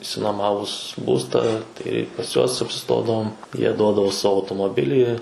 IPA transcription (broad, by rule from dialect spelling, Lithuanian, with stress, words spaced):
ɪʃʲsʲɪnuɔˈmɑːʋʊs ˈbuːstɑː ˈtɐɪ pɐs ˈjuɔs ɐpʲsʲɪˈstoːdɐʋoːm jiɛ ˈduɔdɐʋoː ˈsɑːʋoː ɐʊtoːmoːˈbʲɪlʲiː